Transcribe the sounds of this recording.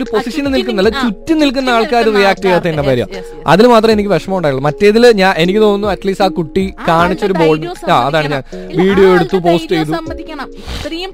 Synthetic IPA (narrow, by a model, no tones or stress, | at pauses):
oɾupo̞siʂɐnɨnilk̬unːɐlːɐt͡ɕutːɨnilk̬unːɐaːɭkaːɾurijaːk̚ʈejaːt̪ːɐinːɐpɐːɾjɐ̰ | ɐ̰ðilmaːt̪rɐme̞nikʲːiʋɐʂɐmɐmuɳɖaːjiɭːmɐtːe̞ːðilɲaːnʔe̞nikʲːit̪o̞ːunːuɐtliːsaːkuʈːikaːɳit͡ɕːo̞ɾubo̞ːɭɖɨmaːɐðaːɳɨɲaːnʋiːɽijo̞ːeɽut̪ːupo̞ːsʈt͡ɕejt̪ːu